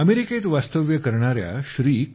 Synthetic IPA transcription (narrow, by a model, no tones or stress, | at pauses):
əmeɾiket̪ʋast̪əʋjəkəɾɳaɾja̰ɕɾiːk